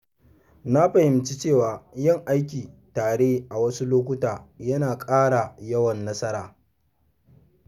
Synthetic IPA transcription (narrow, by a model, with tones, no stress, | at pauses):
na˦ɸɐ˨hɪ˨mt͡ʃi˦t͡ʃeː˦˨waː˨jɪ˦˨ŋʔa˦jkʲiː˨taː˨ɽeː˦ʔa˨wɐ˦su˦loː˦kʷʊ˦taː˨jɐ˦naː˨kʼaː˦ɽa˨jɐ˦wɐ˨nːɐ˦sɐ˦ɾaː˨